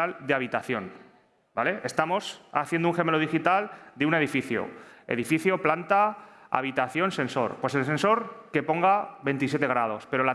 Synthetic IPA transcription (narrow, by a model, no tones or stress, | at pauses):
ald̪eaβ̞it̪aθjo̞n | bale̞ʔest̪amo̞sa̰θjend̪ouŋxe̞me̞loð̞ixit̪ald̪eune̞ð̞ifiθjo̰e̞̰ðifiθjo̞plant̪aa̰β̞it̪aθjo̞nsẽ̞nso̞̰ɾpwe̞se̞lsẽ̞nso̞ɾke̞po̞ŋɡaβe̞nt̪is̬je̞t̪e̞ɣ̞ɾað̞o̞spe̞ɾo̞la